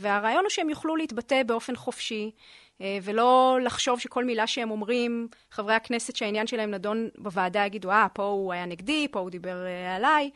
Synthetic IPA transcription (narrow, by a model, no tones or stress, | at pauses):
veaʁaːjo̞nuʃeemjuχluleit̪bate̞beo̞fe̞nχo̞fʃi | velo̞laχʃo̞vʃeko̞lmilaʃehemo̞mʁim | χavʁehakne̞setʃeainjanʃelahemnado̞nbavaːdajaɡid̪uapo̞uajaneɡdipo̞ud̪ibeʁalaj